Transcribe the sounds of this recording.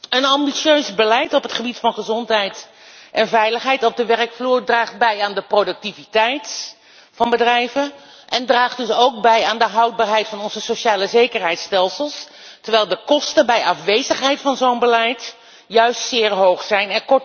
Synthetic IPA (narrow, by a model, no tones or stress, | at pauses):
ənɑmbisøɥzbəlɛjtɔpɦətχəbitfɑnχəzɔntɦɛjt | ʔɛnvɛjləχɦɛjtɔb̚dəʋɛrkfluːɹdraːχd̚bɛjaːndəprodɵk̚tivitɛjt | fɑnbədrɛjvən | ʔɛndraːχdɵsowk̚bɛjaːndəɦɑwd̚baːɹɦɛjtfɑnɔnzəsoʃaːləzejkəɹɦɛjtstɛlˠsəlˠs | təɹʋɛjlˠdəkɔstəbɛjʔɑfʋejzəχɦɛjtfɑnzownbəlɛjt | jœɥstsɪːɹɦowχsɛjnɛnkɔɹt